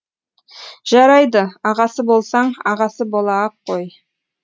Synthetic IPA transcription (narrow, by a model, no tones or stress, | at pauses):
ʒ̥ɑɾɑjd̪əɑʁɑsəbo̞lˠsɑɴɑʁɑsəbo̞lˠɑɑqʰːoj